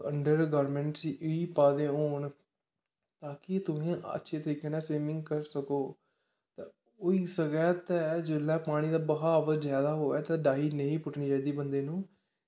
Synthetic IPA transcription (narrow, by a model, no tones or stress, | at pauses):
əɳɖəɾɡɔːɾmɛ̃ːɳʈsiːʔʊiːpaːd̪ẽːɦoːɳ | t̪aːkɪt̪ʊɦẽːə̰tːʃʰeːt̪əɾiːkeːnãːswiːmɪ̃ŋɡkəɾsəkoː | t̪ãː | ʊiːsəɡɛːt̪ɛːd͡ʒeːlːɛ̃ːpaːɽ̃iːd̪aːbəɦaːʋəzd͡ʒjaːd̪aːɦoːɛːt̪ãːɖaːiːnəĩːpʊʈniːd͡ʒaːiːd̪iːbənd̪eːnũː